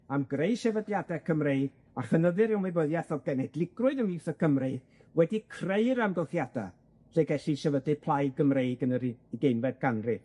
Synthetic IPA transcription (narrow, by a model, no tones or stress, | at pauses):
amɡrejʃɛvədljadɛkʰəmrejɡ̥ | aχənəðɨɾɪwmwɨbəðjaθɔɡɛnɛdlˠɪɡ̥rʊɨðəmiwθəkʰəmre̥ | wɛdikʰreɨɾamɡɔlˠθjada | ɬeɡɛɬiʃɛvədɨ̥pʰlˠajɡəmrejɡənəɾiiɡejnvɛd̚ɡ̥anrɨ